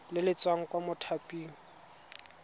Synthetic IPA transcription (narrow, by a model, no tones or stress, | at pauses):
lɪlɪt͡sʼwaŋ̩kʼwamʊtʰapʼiːŋ̩